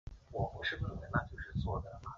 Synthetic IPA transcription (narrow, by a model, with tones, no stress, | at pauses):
wɔ˨˩pu˧˥ʂɻ̩˥˩bu˨˩i˨˩ə˧˥na˥˧t͡ɕjo˥˧ʊʂɻ̩˥˧t͡swɔ˥˩d̪ə˩ma˧˩